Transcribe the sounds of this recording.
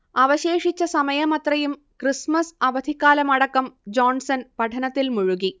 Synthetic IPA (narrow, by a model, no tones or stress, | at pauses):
ɐʋɐɕeːʂit͡ɕːɐsɐmɐjɐmɐt̪rɐjum | krismɐsɐʋɐd̪ʱikːaːlɐmɐɽɐkːɐmd͡ʑoːnsɐnpɐʈʰɐnɐt̪ːilmuɻuɣi